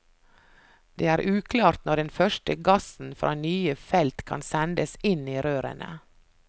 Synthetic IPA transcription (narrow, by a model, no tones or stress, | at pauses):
d̪̥eːæːɾʔʉːkʰlɑːɾt̪nɔɖɛnfœʃʈəɡɑsn̩fɾʔɑ̰ːnyːəfɛlt̪kʰɑ̰nsɛnd̪əsɪniːɾøːɾə̰nə̰